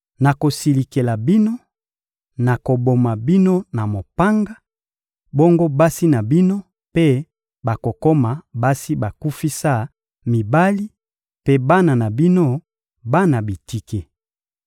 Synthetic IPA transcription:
na˨ko˨si˨li˨ke˨la˨bi˦no˦ | na˨ko˨bo˨ma˨bi˦no˦na˨mo˨pa˦ŋɡa˦ | bo˦ŋɡo˦ba˦si˦na˨bi˦no˦ | pe˦ | ba˨ko˨ko˦ma˨ba˦si˦ba˨ku˦fi˦sa˦˨ | mi˨ba˦li˦ | pe˦ba˦na˨na˨bi˦no˦ | ba˦na˨bi˨ti˦ke˨

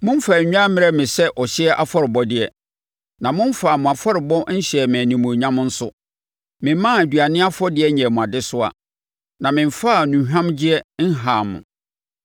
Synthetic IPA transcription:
mʊ̃˦m̩˦faː˨ɲᶣ˦ã˦mɪ̃˦˨ɾɛ˦mɪ̃˨sɛ˦ʔɔ˨ɕɪ˦ɛ˦ʔa˨fɔ˦ɾɪ˨bɔ˦dɪ˦ɛ˨ | nã˨mʊ̃˦m˦faː˨mʊ̃˨a˨fɔ˦ɾɪ˨bɔ˦ɲ̩˦ɕɛ˨mɛ̃˨nĩ˨mũ˨ɲã˦m˦n̩˦sʊ˦ | mɪ̃˨m˦mã˦æ˨dɥa˨nɪ̃˦a˦fɔ˦dɪ˦ɛ˦ɲɛ̃˨mʊ̃˨a˨dɪ˦sʊ˦a̰˨ | nã˨mɪ̃˨m˨fa˦˨nũ˨ɦᶣã˦md͡ʑɪ˦ɛ˦n̩˦ɦaː˨mʊ̰̃˨

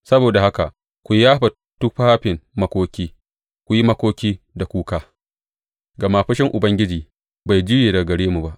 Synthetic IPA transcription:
sɐ˦boː˨da˨ha˦ka˨ʔ | kʷu˨jaː˦ɸa˨ | tu˦ɸaː˦ɸɪ˨nmɐ˦kʷoː˦kʲiː˦ | kʷu˨ji˦mɐ˦kʷoː˦kʲiː˦ | da˨kʷuː˦kaː˦ | ɡɐ˨ma˨ɸɐ˦ʃɪ˦ŋʔʊ˨bɐ˦ŋɡʲɪ˦d͡ʒiː˨ | ba˨jd͡ʒɪ˦jeː˨dɐ˨ɡɐ˨ɽeː˦mu˨ba˦ʔ

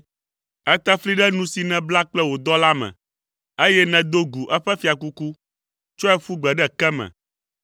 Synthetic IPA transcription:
ɛ˦t̪ɛ˦fli˦ɖɛ˦nũ˦si˨nɛ̃˨bla˦k͡plɛ˦wo˨d̪ɔ˦la˦mɛ̰̃˨ | e˦jɛ˦nɛ̃˨d̪o˦ɡu˨ʔɛ˦ɸɛ˦fi˨a˨ku˦ku˦ | t͡ʃɔ˦ɛ˦fu˦ɡ͡bɛ˨ɖɛ˦kɛ˦mɛ̰̃˨

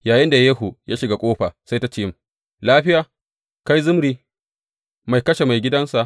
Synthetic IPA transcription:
jaː˨jɪ˦nda˨jeː˦hu˨jʔaː˦ʃɪ˨ɡa˨kʷʼoː˦ɸaː˨sa˦jta˦t͡ʃiː˦m | laː˦ɸɪ˦jaː˨ | ka˦jzʊ˦mɾiː˦ | ma˨jkɐ˦ʃe˨ma˨jɡʲɪ˦dɐ˦nsa˨ʔ

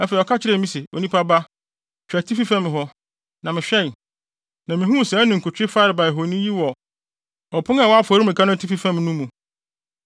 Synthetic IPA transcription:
ɛ˦fe˨i˨ɔ˨kʰa˦t͡ɕʰɪ˦ɾɛ˦˨˦mĩ˦sɪ˨o̰˨nĩ˦pʰa˦ba˦ | t͡ɕᶣæ˨tʰi˦fi˦fɛ̃˦m˨ɦɔ˦ | nã˨mɪ̃˨ɕᶣɛ˦˨n˨ | nã˨mɪ̃˨ɦũ˦˨sɛ̃˨˦nʊ̃˨ŋ̩˨kʰu˨tʰᶣɪ˦fa˦ɾɪ˨ba˨ɛ˨ɦo˨nĩ˦ji˦wɔ˨ | ɔ˨pʰʊ˦a˦˨wɔ˦a˦fɔ˨˦ɾi˦mɪ̃˨ka˦nʊ̃˦˨tʰi˦fi˦fɛ̃˦mnũ˦mũ˨

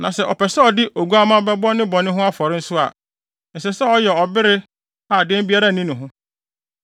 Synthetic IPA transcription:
nã˨sɛ˦ʔɔ˨pɛ˨sɛ˦ɔ˨dɪ˦ʔo˨ɡu˦a˦mã˦bɛ˦bɔ˦nɪ̃˦bɔ̃˨nɪ̃˦ɦʊ̃˦a˦fɔ˨ɾɪ˦n̩˦sʊ˦a̰˨ | n̩˨sɛ˨sɛ˦ɔ˦jɛ˨ɔ˨bɪ˦ɾɪ˦ | a˨dɛ̃˦m˦bi˦a˦ɾa˦˨nĩ˦nʊ̃˨ɦʊ̃˦

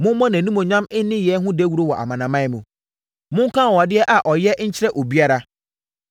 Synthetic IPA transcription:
mʊ̃˦m˦mɔ̃˦nã˨nũ˦mõ˨ɲã˦mɪ˦nɪ̃˦jɛ˨˦ɦʊ̃˦de˦wu˦ɾo˦wɔ˨ʔa̰˨mã˨nã˨mã˦ɛ˦mũ˨ | mʊ̃˦ŋ˦kʰã˦˨ɔ˨a˨dɪ˦ɛ˦ʔa˨ʔɔ˨jɛ˦ɲ̩˦t͡ɕʰɪ˦ɾɛ˦ʔo˨bi˦a˦ɾa˨

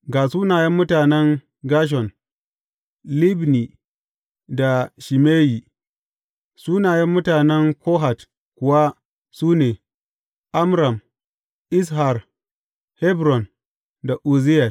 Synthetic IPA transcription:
ɡaː˨suː˦naː˨jɛ˦mːʊ˦taː˨nɛ˦ŋ | ɡaː˦ʃ̬ɔ˨n | li˦bni˨ | da˨ʃi˨meː˦ji˨ | suː˦naː˨jɛ˦mːʊ˦taː˨nɛ˦ŋkoː˦ɦa˨t | kʷʊ˨wa˦ | suː˦neː˨ | ʔa˦mɾa˨m | ʔɪ˦s̬ha˨r | hɛ˦bɾɔ˨n | da˨ʔu˨zɪ˦ja˨

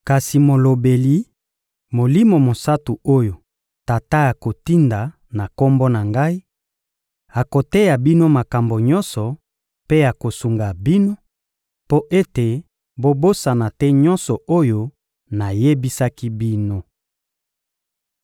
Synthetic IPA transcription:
ka˨si˨mo˨lo˨be˨li˨˦ | mo˨li˦mo˨mo˨sa˦tu˨o˦jo˨ | ta˨ta˦ja˨ko˨ti˦nda˨ | na˨ko˦mbo˦na˨ŋɡa˦i˦ | a˨ko˨te˦ja˨bi˦no˦ma˨ka˨mbo˨ɲɔ˦nsɔ˨ | pe˦a˨ko˨su˨ŋɡa˨bi˦no˦ | po˦ʔe˦te˨ | bo˦bo˦sa˨na˨tɛ˦ɲɔ˦nsɔ˨ʔo˦jo˦ | na˨je˦bi˦sa˦ki˦bi˦no˦

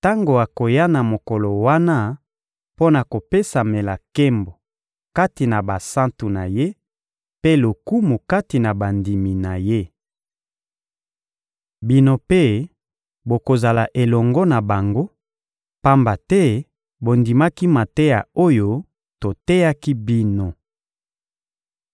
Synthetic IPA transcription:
ta˦ŋɡo˨a˨ko˨ja˦na˨mo˨kɔ˨lɔ˨wa˦na˦ | po˦na˨ko˨pe˦sa˨me˨la˨kɛ˦mbo˨ | ka˦ti˨na˨ba˨sã˦ntu˨na˨je˦ | pe˦lo˨ku˦mu˨ka˦ti˨na˨ba˨ndi˨mi˨na˨je˦ | bi˦no˦pe˦ | bo˨ko˨za˨la˨ʔe˨lɔ˨ŋɡɔ˦na˨ba˨ŋɡo˦ | pa˦mba˨tɛ˦ | bo˨ndi˨ma˦ki˦ma˨tɛ˦ja̰˨o˦jo˦ | to˨tɛ˦ja˦ki˦bi˦no˨

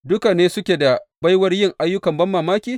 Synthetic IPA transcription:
dʊ˦ka˨neː˦sʊ˦kʲeː˨da˨ba˦jwɐ˦rjɪ˦ŋʔa˦jːʊ˦kɐ˨mbɐ˦mːaː˨maː˦kʲiː˦

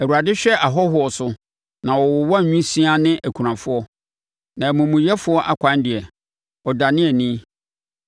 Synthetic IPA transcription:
æ˨wu˨ɾa˨dɪ˦ɕᶣɛ˦ʔa˨ɦɔ˦ɦʊ˨˦ɔ˨sʊ˨ | nã˨wɔ˨wɔ˨wɔ˦˨ɲᶣũ˦sĩ˦a˦nɪ̃˦ʔæ˨kʷʰu˨ɾã˨fʊ˦ɔ˦ | nã˨mũ˨mũ˨jɛ˦fʊ˦ɔ˦ʔa˨kʷʰã˦ndɪ˨ɛ˨ | ɔ˨da˨nɪ̃˦ɛ˨nĩ˦

